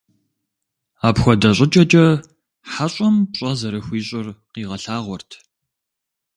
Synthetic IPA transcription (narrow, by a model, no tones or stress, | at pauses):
aːpxʷɔdɐɕʼɪt͡ʃʼɐt͡ʃʼɐ | ħaɕʼɐmɕʼɐzɐɾɐxʷiːɕʼɪrqiːʁɐɬaːʁʷɔrtʰ